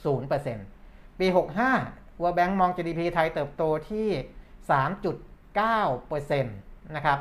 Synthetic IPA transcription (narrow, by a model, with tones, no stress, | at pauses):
suː˩˦npɤː˧se˧npiː˧ɦo˨˩k̚ɦaː˥˩ | wɤː˧bɛ˦˥ŋmɔː˧ŋt͡ɕiː˧diː˧pʰiː˧t̪ʰa˧jt̪ɤː˨˩p̚t̪oː˧t̪ʰiː˥˩saː˩˦mt͡ɕu˨˩t̪̚kaː˥˩wpɤː˧se˧nːa˦˥kʰɾa˦˥p̚